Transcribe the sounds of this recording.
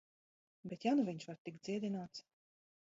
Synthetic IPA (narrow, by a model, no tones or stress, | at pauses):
bɛt̪januvʲiɲʃvaɾt̪ikd̪ziɛd̪ʲinaːt̪s